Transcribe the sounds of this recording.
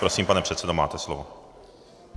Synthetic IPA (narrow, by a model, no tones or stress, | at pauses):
ɾosiːmpanɛpr̝̥ɛt̪sɛdoma̰ːt̪ɛslovo